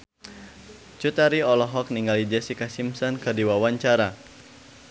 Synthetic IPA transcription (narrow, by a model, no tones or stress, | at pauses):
t͡ʃut̪aɾiɔlɔɦɔk̚niŋɡalid͡ʒɛsikasimsɔnkɨrdiwawaɲt͡ʃaɾa